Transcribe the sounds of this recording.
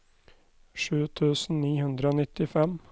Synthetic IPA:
ʂʉːt̪ʰʉːsn̩niːhʉnd̪ɾəoːnɪt̪ɪfɛm

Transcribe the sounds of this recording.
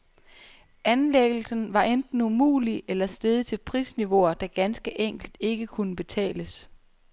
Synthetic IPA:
ænleɡ̥l̩sn̩ʋɑ̈ʔend̥n̩umṵːliʔelɐsd̥eðˠt͡sʰe̝lpʰʁḭːsniʋo̝ɐd̥æɡ̥ænsɡ̥əʔeŋ̰ɡ̥l̩d̥e̝ɡ̥əkʰunəb̥e̝t͡sʰɛ̰ːləs

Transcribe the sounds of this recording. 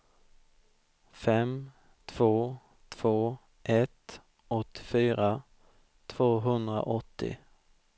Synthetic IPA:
fɛm | t̪ʰv̥oː | t̪ʰv̥oː | ʔɛt̪ | ɔt̪ʰːɪ̥fyːɾa | t̪ʰv̥oːɦɵnd̪ɾa̰ʔɔt̪ʰːɪ̰

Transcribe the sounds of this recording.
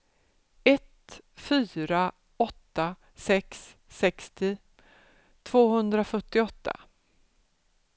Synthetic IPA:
ɛt̪fyːɾa | ɔt̪ːa | sɛksː | ɛkst̪ɪ | t̪ʰv̥oːɦɵnd̪ɾafœʈːɪɔt̪ʰːa̰

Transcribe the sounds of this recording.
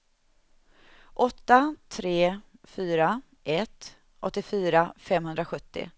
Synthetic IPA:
ʔɔt̪ːat̪ʰɾeːfyːɾa | ʔɛt̪ | ʔɔt̪ːɪfyːɾafɛmːhɵnd̪ɾaɧɵt̪ːɪ̰

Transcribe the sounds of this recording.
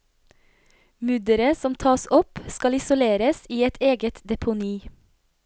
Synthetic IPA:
mʉd̪əɾəsɔmt̪ʰɑːsɔpskɑlɪsʊleːɾəsiːɛt̪ʰeːɡət̪d̪ɛpʰʊniː

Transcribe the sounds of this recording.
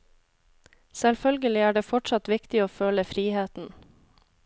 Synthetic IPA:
sɛlfœlɡəlɪæːɖeːfɔʈʂɑt̪ʋɪkt̪ɪoːføːləfɾiːheːt̪n̩

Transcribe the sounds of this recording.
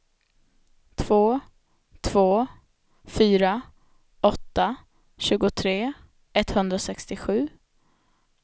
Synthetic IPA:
t̪ʰv̥oː | t̪ʰv̥oː | fyːɾa | ɔt̪ːa | ɕʉ̟ːɡʊt̪ʰɾeː | ɛt̪ːhɵnd̪ɾasɛkst̪ɪɧʉ̟ː

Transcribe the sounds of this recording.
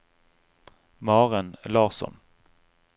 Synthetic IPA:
mɑːʁənlɑːʁsɔ̰n

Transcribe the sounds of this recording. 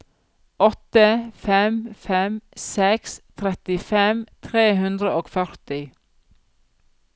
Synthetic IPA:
ɔt̪əfɛmfɛmsɛkst̪ʰɾɛt̪ɪfɛmt̪ʰɾeːɦʉnd̪ɾəʔoːɡfœɾt̪ɪ

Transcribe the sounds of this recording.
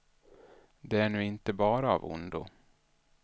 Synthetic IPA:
d̪ɛæɳʉ̟ːɪnt̪əbɑːɾaa̰vʊ̰nd̪ʊ̰

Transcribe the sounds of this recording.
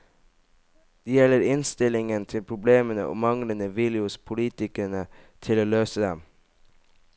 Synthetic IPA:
d̪̥eːjɛləɾɪnst̪ɪlɪŋənt̪ʰɪlpʰɾʊbleːmənə̰ʔo̰ːmɑŋlənəʋiːlɪʊspʰʊliːt̪ɪkəɾəɳət̪ʰɪloːløːsəd̪ɛ̰m

